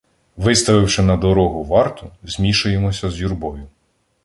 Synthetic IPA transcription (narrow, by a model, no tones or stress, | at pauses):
ʋɪst̪ɐʋɪwʃɪnɐd̪ɔɾɔɦʊʋɑrt̪ʊzʲmʲiʃʊjemɔsʲɐzʲjurbɔjʊ